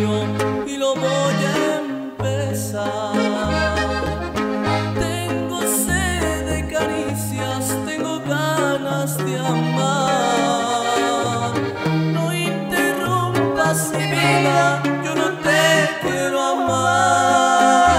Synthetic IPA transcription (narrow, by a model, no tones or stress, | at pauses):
o | ilovɔʎam | pes | a | ɾ | t̪ɛŋɡoseðekaɾisjast̪eŋɡoɣanasd̪eama | nõint̪erumt̪asemilajonot̪et̪eɾoama